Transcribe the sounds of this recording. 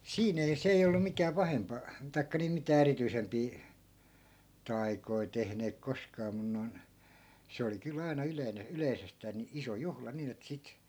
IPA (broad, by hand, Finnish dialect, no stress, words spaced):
siːn ei se ei olːu mikæː pɑhempɑ tɑi̯kːɑ niː mitæː erityisempiː tɑi̯koi tehneːk koskɑː mun noi̯n se oli kyl ɑinɑ yleine yleisestæː ni iso juhlɑ niːn et sit